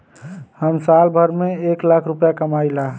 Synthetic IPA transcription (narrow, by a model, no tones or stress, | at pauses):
həmsalbʱəɾmeeklakʰɾupjakəmaila